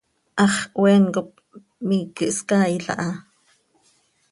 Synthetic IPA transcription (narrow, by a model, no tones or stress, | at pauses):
ʔɑχwɛːŋkop̚ | miːkəʔskaːiɬɑ̰ʔɑ